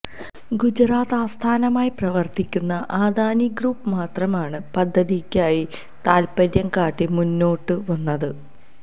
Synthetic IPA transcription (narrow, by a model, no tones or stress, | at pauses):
ɡud͡ʑɾaːt̪aːst̪ʰaːnɐmaːjiprɐʋɐrt̪ikʲːunːɐʔaːd̪aːniɡruːpːɨmaːt̪rɐmaːɳɨpɐd̪ʱːɐðikʲːaːji | t̪aːlpɐɾjɐŋkaːʈːimunːo̞ːʈːɨʋɐnːɐðɨ